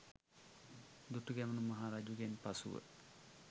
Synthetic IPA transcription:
d̪uʈuɡɛmənumaɦaːɾad͡ʒuɡenpasṵʋə̰

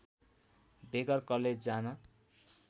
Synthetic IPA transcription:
beɡʌrkʌled͡zd͡zanʌ

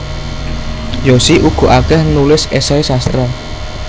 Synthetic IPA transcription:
josiʔuɡ̥o̤ʔakɛhnulɪsesaisast̪ɾa

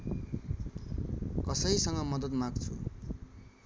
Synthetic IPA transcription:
kʌsʌisʌŋɡʌmʌd̪ʌt̪maɡt͡sʰṵ

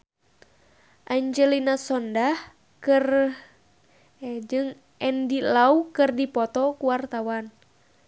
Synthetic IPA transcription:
ʔaɲd͡ʒɛlinasɔndah | kɨr | d͡ʒɨŋ | ʔɛndilaukɨrdipɔt̪ɔkuwart̪awan

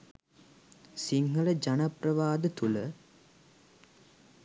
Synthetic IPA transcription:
siŋɦələd͡ʒanaprəʋaːd̪ət̪ulə

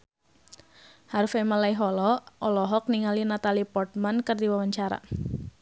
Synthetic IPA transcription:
haɾufemalaiɦɔlɔʔɔlɔɦɔk̚niŋalinat̪alipɔrt̪̚mankərd̪iwawaɲt͡ʃaɾa̰

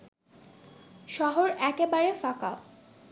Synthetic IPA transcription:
ʃɔɦoɾɛkebaɾefaka

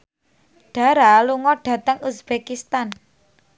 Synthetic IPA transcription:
ɖ̥a̤ɾaluŋɔɖ̥ä̤t̪əŋusbekist̪an

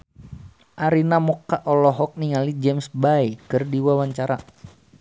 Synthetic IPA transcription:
ʔaɾinamɔkaʔɔlɔɦɔk̚niŋalid͡ʒɛmsbaikɨrdiwawaɲt͡ʃaɾa

